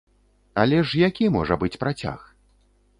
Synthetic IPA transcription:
ɐlʲɛʂjakʲimɔʐɐbɨt͡sʲpɾat͡sʲa̰x

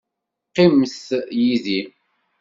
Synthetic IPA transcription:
qːimθjiði

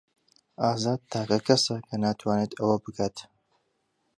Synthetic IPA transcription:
aːzaːd̪̚t̪ʰaːkɐkʰɐsɐkʰɐnaːt̪ʰwaːneːt̪ɐwɐbɨkʰaːt̪

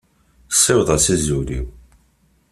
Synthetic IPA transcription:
sˤːɪwðˤəsizulḭw

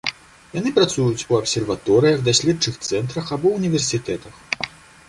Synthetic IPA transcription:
jan̪ɨpɾat̪sujut͡sʲuɐpsʲɛrvat̪ɔɾɨjɐɣd̪asʲlʲɛdt͡ʂɨxt̪sɛnt̪ɾɐxabɔnʲivʲɛrsʲit̪ɛt̪ɐx

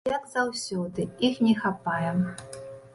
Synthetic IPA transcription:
jaɡzawsʲɔd̪ɨixnʲɛxapajɛm

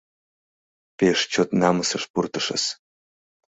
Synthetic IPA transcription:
peʂt͡ʃʰot̪namɨsɐʂpurt̪ʰɨʂɐ̰s

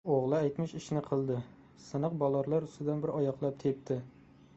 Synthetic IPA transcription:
oʁlˠɨæjt̪mɪʃɪʃnɪqʰəlˠd̪ɪ | sɨnəqbɒlˠɑɾlˠɑɾyst̪ʰɪd̪ænbɪɾɒjɑqlˠɑp̚t̪ʰep̚t̪ʰɪ

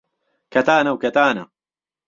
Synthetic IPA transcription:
kʰɐt̪aːnɐwkɐt̪aːnɐ̰

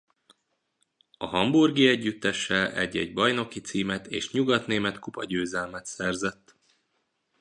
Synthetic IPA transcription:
ɒɦɒmburɡiɛɟːyt̪ːɛʃːɛlɛ̰ɟːɛ̰ɟbɒjno̞kit̪siːmɛt̪ḛːʃɲuɡɒt̪neːmɛt̪kupɒɟøːzɛlmɛt̪sɛrzɛt̪ː

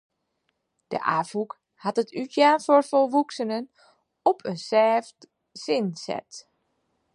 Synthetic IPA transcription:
d̥ə̰ʔa̰ːfuk | hatətʰytʰjaːnforfolˠʋuksənən | ɔpʰənsɛːft | sɪnsɛ̰t

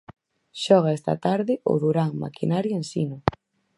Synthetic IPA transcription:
ʃɔɣ̞aɛst̪ɐ̰t̪aɾðɪʔʊ̰ðuɾaŋma̰kinaɾjoensinʊ

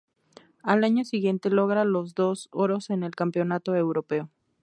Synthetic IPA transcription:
alaɲosiɣje̞nt̪e̞lo̞ɣɾalozðo̞soɾo̞se̞ne̞lkampjo̞nat̪oewɾo̞pe̞o

